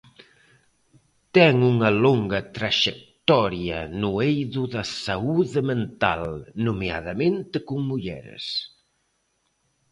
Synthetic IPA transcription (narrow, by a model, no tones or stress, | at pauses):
t̪ɛŋuŋɐloŋɡɐt̪ɾaʒek̚t̪ɔɾjɐ̰nuejðuðɐsauðemẽnt̪a̰lnumea̰ðɐmẽnt̪ekuŋmuʎɛ̰ɾḛs